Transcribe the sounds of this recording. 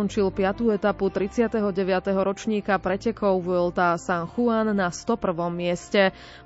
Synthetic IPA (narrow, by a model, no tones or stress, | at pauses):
ɔnt͡ʃilpɪat̪uːɛt̪aput̪ɾit͡sɪat̪ɛɦɔɟɛʋɪat̪ɛɦɔɾɔt͡ʃɲiːkapɾɛcɛkɔʊʋɔlt̪asanxuanːast̪ɔpr̩ʋɔmːɪɛscɛ